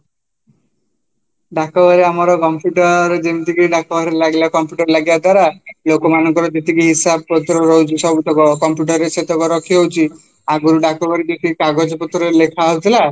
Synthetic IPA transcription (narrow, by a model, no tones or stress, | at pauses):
ɖakɔbʱaɾiamɔɾɔkɔmpjuʈɔɾɾed͡ʒemt̪ikiɖakɔbaɾielaɡilakɔmpjuʈɔɾlaɡibad̪waɾalokɔmanɔŋkɔɾɔd͡ʒet̪ikiɦisabpɔt̪ɾɔɾɔɦut͡ʃʰisɔbut̪ɔkɔkɔmpjuʈɔɾeset̪ɔkɔɾɔkʰiɦɔɦwt͡ʃʰi | aɡuɾuɖakɔbʱaɾid͡ʒet̪ikikaɡod͡ʒɔpɔt̪ɾɔɾelekʰaɦot̪ʰila